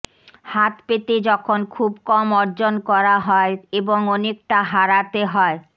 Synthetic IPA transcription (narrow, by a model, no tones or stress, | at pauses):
hat̪pet̪ed͡ʑɔkʰonkʰubkɔmɔɾd͡ʑonkɔɾaɦɔeeboŋɔnek̚ʈaɦaɾat̪eɦɔe